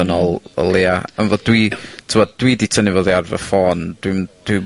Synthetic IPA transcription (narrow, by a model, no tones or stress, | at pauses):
ənɔlˠə̰lˠeaənvɔddwitʰɪmɔd̚d̥widitʰənivoːðiarvə̰fɔːnd̥wimd̥wi